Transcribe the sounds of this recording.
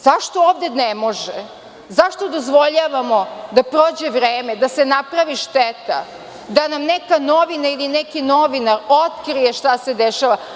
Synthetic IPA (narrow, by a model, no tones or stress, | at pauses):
zaʃt̪o̞oːvd̪enemo̞ʒe | zaʃt̪od̪o̞zʋo̞ʎaʋamo̞d̪apɾoːd͡ʑeʋɾeːmed̪asenapɾaʋiʃt̪et̪a̰ | d̪anamnekanoʋinailinekino̞ʋinaɾot̪kɾijeʃt̪ase̞d̪eʃaʋa